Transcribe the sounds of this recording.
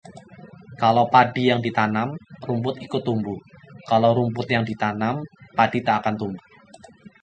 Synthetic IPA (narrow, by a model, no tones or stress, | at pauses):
kalowpadijaŋdit̪anamrumpʊt̪ikut̪umbukaloɾumpʊt̪̚jaŋdit̪anampad̥it̪aʔakant̪umbu